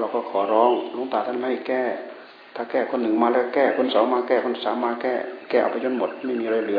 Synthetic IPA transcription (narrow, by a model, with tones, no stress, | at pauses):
ɾa˧wkɔː˧˩kʰɔː˨˦ɾɔː˧˥ŋlo˧˥˨ŋt̪aː˨˩t̪ʰa˧˥˨nla˧˩˨kɛː˧˥˩ | t̪ʰaː˧˩kɛː˧˩kʰo˧˨nːɯ˨˩ŋmaː˧lɛ˧˩kkɛː˧˩kʰo˧˥nsɔː˨˦ŋmaː˧kɛː˧˩kʰo˧˥˨nsaː˨˦maː˧kɛː˧˩kɛː˥˩ʔa̰˧˩wpa˧jt͡ɕʰo˧˥˨nmo˨˩˦t̪̚ma˥˩jmiː˧ɾaː˧˩lɯ˨˩˦